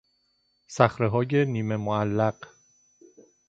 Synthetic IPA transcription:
sæxɾeɦɒːjeniːme̞moælːæɢ̥

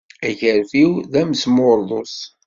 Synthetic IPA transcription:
æçəɾfiwðæmsmʊɾˤðˤos

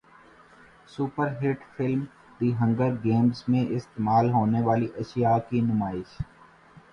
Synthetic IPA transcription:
suːpəɾɦɪʈfɪlm | d̪iɦɐ̃ŋɡəɾɡẽːmzmẽʔɪst̪eːmaːlɦoːneʋaːliʔɐʃjakinʊmaːɪʃ

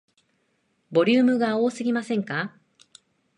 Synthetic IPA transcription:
bo̞ɾʲɨːmɯ̟ɡao̞ːsɨɡʲimasẽ̞ŋka

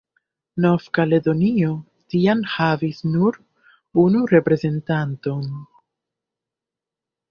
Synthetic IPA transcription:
nofkale̞do̞nio̞ | tianhavisnuɾ | unuɾe̞pɾe̞ze̞ntanto̞n

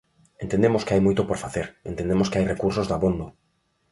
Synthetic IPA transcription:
ent̪end̪emoskɪajmojt̪ʊpoɾfaθeɾḛnt̪ẽnd̪emoskɪajrekuɾsozðaβond̪o

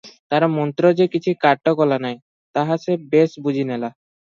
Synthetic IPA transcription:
t̪aɾmɔnt̪ɾod͡ʑekit͡ɕʰukaʈːokɔlanaj | t̪aɦasebesbud͡ʑʱinɛla

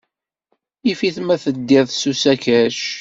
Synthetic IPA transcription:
ifiθmæθəd̪ːɪðˤsusækæʃ

